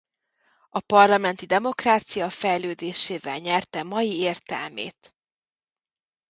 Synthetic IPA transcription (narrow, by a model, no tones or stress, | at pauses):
ɒpɒrlɒmɛnt̪id̪ɛmo̞kraːt̪sijɒfɛjløːd̪eːʃeːvɛlɲɛrt̪ɛmɒjieːrt̪ɛ̰lmḛːt̪